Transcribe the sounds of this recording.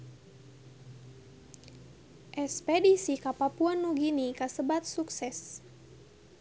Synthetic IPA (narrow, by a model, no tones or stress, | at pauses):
ʔɛspɛdisikapapuanːuɡinikasəbat̪̚suksɛs